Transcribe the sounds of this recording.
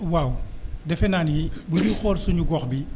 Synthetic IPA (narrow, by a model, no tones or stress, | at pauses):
waːwdɛfɛnaːnjibudixɔːlsuɲuɡɔxbi